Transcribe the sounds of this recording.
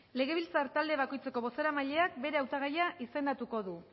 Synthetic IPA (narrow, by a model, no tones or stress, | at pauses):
le̞ɣ̞e̞β̞ilt͡saɾt̪ald̪e̞βako̞jt͡se̞ko̞βo̞seɾamaʎe̞ak̚be̞ɾe̞awt̪aɣ̞ajaʔise̞nd̪at̪uko̞ðu